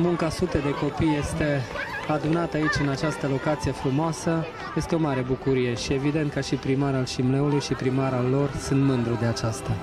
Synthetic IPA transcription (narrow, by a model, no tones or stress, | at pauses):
muŋkasut̪ed̪e̞ko̞pijːe̞st̪e̞ad̪unat̪əait͡ʃʲɨnat͡ʃast̪əlo̞kat̪sije̞fɾumoasə | je̞st̪eo̞maɾe̞bukuɾije̞ʃie̞vid̪e̞nt̪̚kaʃipɾimaɾalʃimle̞ulujʃipɾimaɾalːo̞rsunt̪mɨnd̪ɾud̪eat͡ʃast̪a